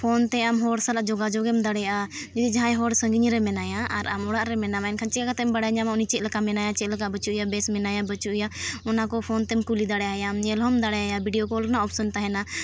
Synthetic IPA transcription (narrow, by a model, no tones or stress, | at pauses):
pʰɔnt̪ɛamɦɔɽsalaʔd͡ʒɔɡad͡ʒɔɡɛmd̪aɽɛjaʔa | d͡ʒɛd̪id͡ʒaɦãjɦɔɽsə̃ŋɡiɲɾɛmɛnajaʔaɾa̰mɔɽaʔɾɛmɛnamaɛnkʰaɲt͡ʃɛkakat̪ɛmbaɽɛjaɲamaunit͡ʃɛt̪̚ləkamɛnajat͡ʃɛləkabət͡ʃuʔjabɛsmɛnajabət͡ʃuʔjaɔnakɔpʰɔnt̪ɛmkulid̪aɽɛjajamɲɛlɦɔmd̪aɽɛjajabiɖijɔkɔlnaɔpʰsɔnt̪aɦɛna